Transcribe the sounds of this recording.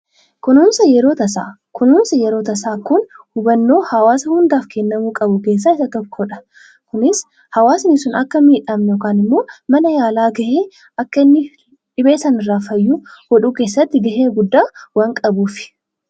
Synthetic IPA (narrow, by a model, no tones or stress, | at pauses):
kʊnuːnsɐjɛɾo̞ːt̪ɐsaː | kʊnuːnsɐjɛɾo̞ːt̪ɐsaːkʊnhʊbɐnːo̞ːhɐwaːsɐhʊnd̪aːfkʰɛnːɐmuːkʼɐbʊke̞ːs̬ːaːɪsɐt̪ɔkʰːɔᶑɐ̥ | kʊnɪs | hɐwaːsnɪsʊnɐkːɐmiːᶑɐmɛjoːkaːnɪmːo̞ːmɐnɐjaːlaːɡɐʔeː | ɐkːɐɪnːɪ | ᶑɪbe̞ːsɐnɪrːaːfɐjːuːhɔᶑuːke̞ːsːɐt̪ːɪɡɐheːɡʊd̪ːaːwɐŋkʼɐbuːfɪ̥